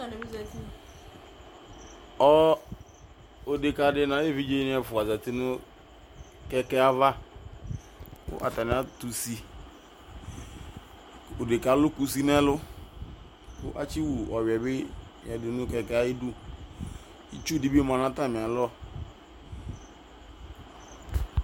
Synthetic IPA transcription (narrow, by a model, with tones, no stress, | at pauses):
a˨nɛ˨bi˦za˨ti˦˨ | ɔ˦ | o˨de˨ka˨dɪ˦nã˨˦e˦vi˦d͡ʒe˦ɪ̃˨˦ɛ˨fʊ˨a˨za˨ti˦nʊ˦ | kɛ˦kɛ˦a˦va˦ | kʊ̰˦ʔa̰˨ta˨nɪ˨˦a˦tu˨si˨ | o˨de˨ka˨˦lʊ˦ku˨si˦nɛ˦lʊ˦ | kʊ̰˦ʔa̰˦t͡ʃi˦wu˨ɔ˨wɛ˨bɪ˦mɪ̰˨a˨dʊ˨nʊ̃˦kɛ˨kɛ˦a˦ɪ˦du˦ | ḭ˦t͡ʃu˦di˦bi˦m˨ã˨nã˦ta˦˨mɪ̃˨a˨lɔ˦